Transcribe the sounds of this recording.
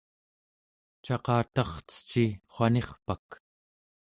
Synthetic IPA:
t͡ʃɑqɑːt̪ɑχt͡sə̥t͡ʃiχwʷane̞χpak

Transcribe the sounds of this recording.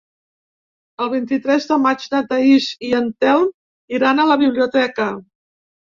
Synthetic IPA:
əlˠβ̞int̪it̪ɾɛzðəmad͡ʒnət̪əiʃiənt̪ɛln | iɾanələβ̞iβliut̪ɛkə

